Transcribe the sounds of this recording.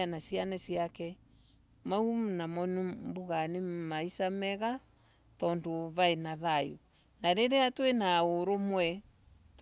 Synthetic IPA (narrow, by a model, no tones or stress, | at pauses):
anasianɛsiakɛ | maumnamɔnumboɣanemaisamɛɣa | tɔndoβaenaðaju | naɾeɾeatwenaoɾomwɛ | t